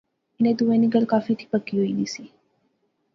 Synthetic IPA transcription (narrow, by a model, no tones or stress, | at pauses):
ɪnẽːd̪uʋẽnĩɡəlkaːfit̪ʰi̥pəkiɦʊiːniːsiː